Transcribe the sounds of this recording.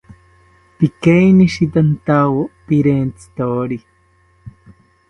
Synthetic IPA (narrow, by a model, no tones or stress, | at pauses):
pikajniʃit̪ant̪awopiɾent͡si̥t̪oːɾi